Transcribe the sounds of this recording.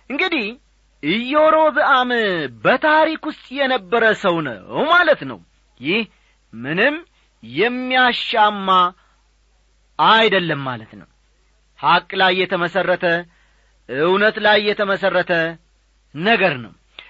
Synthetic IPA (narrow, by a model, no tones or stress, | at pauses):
ʔɨŋɡɨd̪ih | ɨjːoɾo̞bɨʔambət̪ʰaɾikwʊst̪ʼjɛnəbːəɾəsəwnə̰malət̪nə̰w | jɪh | mɨnɨmː | jɛmːijaʃːamːa | jd̪əlːəmːa̰lət̪nə̰w | hakʼlajːɛt̪ʰəməsərːət̪ʰə | ɨwnət̪lajːɛt̪ʰəməsərːət̪ʰə | nəɡəɾnə̰w